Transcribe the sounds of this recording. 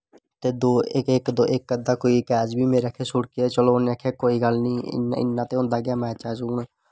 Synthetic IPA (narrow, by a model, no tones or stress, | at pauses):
t̪eːd̪oːɪkɪkd̪oːʔɪkːəd̪aːkoːiːkɛːd͡ʒbʱiːmeːɾekʰeːsʊɽkeɛːt͡ʃəloːnakʰeːkoːiːɡəlnĩːɪ̰nɪ̰nːãːt̪eːɦʊ̃ːnd̪aːɡɪjaːmɛ̃ːt͡ʃaːd͡ʒuːɳ